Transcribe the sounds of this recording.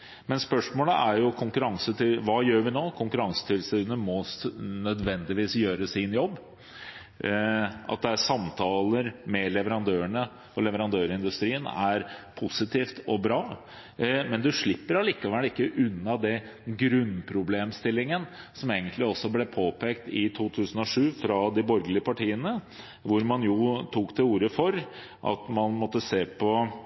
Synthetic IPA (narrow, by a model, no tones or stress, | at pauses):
mɛnspœʂmoːləʔæɾjʊkʰʊŋkʉɾɑŋsət̪ʰɪʋɑːjøːɾʋɪnoːkʰʊŋkʉɾɑŋsə̥t̪ʰɪlsiːənəmɔsnœd̪ʋɛnd̪ɪʋiːsjøːɾəsɪnjɔbː | ʔɑ̰t̪̚d̪ɛæsɑmt̪ʰɑːləɾmɛlɛʋəɾɑnd̪øːəɳə | ɔlɛʋəɾɑnd̪øːɾɪnd̪ʉst̪ɾiːənæɾpʰʊsɪt̪ʰiːft̪ɔbɾɑː | mɛnd̪ʉʂɭɪpːəɾɑliːkɑʋælɪkːəʔʉnːɑd̪ɛ | ɡɾʉnːpʰɾʊbleːmst̪ɪlːɪŋənsɔmeːɡənt̪lɪɔsɔblɛpʰoːpɛːkt̪ɪt̪ʰuːt̪ʰʉːsn̩ɔʂʉːfɾɑd̪ɪbɔɾɡəlɪəpɑʈʰiːənə | ʋʊɾmɑnjʊt̪ʰuːkd̪ɛuːɾəfɔɾ | ʔɑ̰t̪mɑnmɔt̪ːəseːpʰɔ